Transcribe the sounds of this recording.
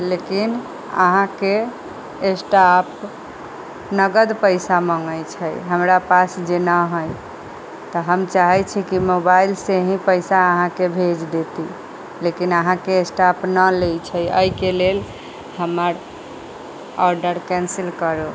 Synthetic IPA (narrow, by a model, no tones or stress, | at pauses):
lekin | ə̰ɦãke | esʈap | nəɡəd̪pəjsaməŋɡəjt͡ʃʰəjɦəmɾapasd͡ʒenəɦəj | t̪ɔɦəmt͡ʃaɦɛt͡ʃʰikimobailseɦĩpəɪsaəɦãkebʱed͡ʒd̪et̪i | lekinəɦãkeːsʈapnəlejt͡ʃʰəjə̰ikelel | həməɾ | ɔɾɖəɾkɛ̃nsilkəɾo